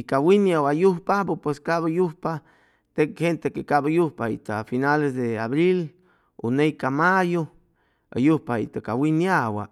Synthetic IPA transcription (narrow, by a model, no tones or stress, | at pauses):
ikawinjawajuhpapopweskaβajuhpa | t̪ek̚hent̪ekekabajuhpaḭt̪afinalesd̪eaβɾil | o̰nejkamajo | a̰juhpaḭt̪akawinjawa̰